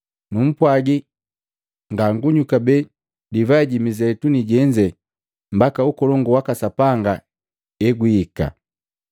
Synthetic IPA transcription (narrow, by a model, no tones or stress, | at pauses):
num̩pwaɡi | ŋɡaŋɡuɲukabɛ | divaɛɟimizɛtuniɟɛɲd͡ʒɛ | m̩bakaukɔlɔŋɡuwakasapaŋɡa | ɛɡwiika̰